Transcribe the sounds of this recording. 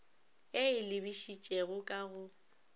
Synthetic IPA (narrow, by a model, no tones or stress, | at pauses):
eɪlɪbiʃit͡ʃʼɛɣʊkʼaɣʊ